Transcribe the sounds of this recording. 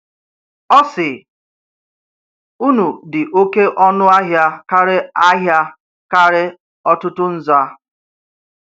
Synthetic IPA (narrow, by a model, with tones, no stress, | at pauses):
ɔ˦sɪ˨ | u˦nu˨dɪ˨ʔo˦ke˦ʔɔ˦nʊ˦a˦ɦja˦ka˦ɾɪ˦a˦ɦja˦ | ka˦ɾɪ˦ | ɔ˦tʊ˦tʊ˦n̩˦za˦